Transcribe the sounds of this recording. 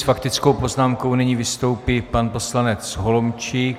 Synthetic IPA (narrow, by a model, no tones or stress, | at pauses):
sfakt̪ɪt͡sko̞wpo̞znaːmko̞wnɪɲiːvɪst̪o̞wpiːpanpo̞slanɛt͡sɦolomt͡ʃi